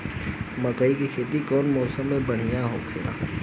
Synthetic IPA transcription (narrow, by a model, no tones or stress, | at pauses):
mɐkəikikʰeːt̪ikɔːnmɔːsəmːẽbɐɽ̤ijaɦokʰḛːɾa̰ː